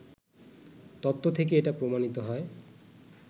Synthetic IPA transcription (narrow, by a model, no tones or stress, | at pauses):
t̪ɔt̪ːot̪ʰek̬eeʈapɾomanit̪oɦɔe